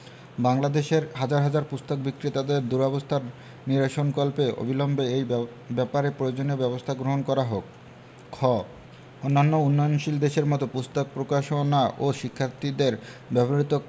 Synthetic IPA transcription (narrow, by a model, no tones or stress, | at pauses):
baŋlad̪eʃeɾɦad͡ʑaɾɦad͡ʑaɾpust̪ok̚bikɾit̪ad̪eɾd̪uɾɔbost̪ʰaɾ | niɾaʃonkɔlpeo̰bʱilɔmbeej | bɛpaɾepɾojod͡ʑoniobɛbost̪ʰaɡɾoɦonkɔɾaɦokʰː | ɔ | onːanːounːɔjonʃild̪eʃeɾmɔt̪opust̪ok̚pɾokaʃonaʔoʃikʰːaɾt̪id̪eɾbɛboɾit̪o